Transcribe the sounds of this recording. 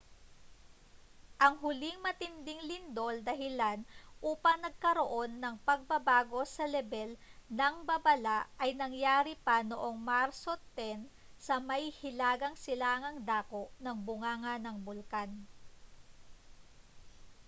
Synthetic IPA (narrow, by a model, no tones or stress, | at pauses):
ʔɐŋɦʊlɪŋmɐt̪ɪnd̪ɪŋlɪnd̪o̞ld̪ɐɦɪlanʔuːpɐŋnɐɡ̚kɐɾoʔo̞nːɐŋpɐɡ̚bɐbaːɡo̞sɐlɛbɛlnɐŋbɐbɐlaʔʔɐjnɐŋjaːɾipɐnoʔo̞ŋmaɾso̞t̪ɛn | sɐmɐihɪlaːɡɐŋsɪlaŋɐŋd̪aːko̞ʔnɐŋbʊŋaːŋɐnɐŋbʊlkan